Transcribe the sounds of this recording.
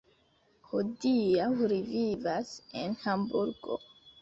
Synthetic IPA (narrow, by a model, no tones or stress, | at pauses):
hodiaɾivivase̞nhambuɾɡo̰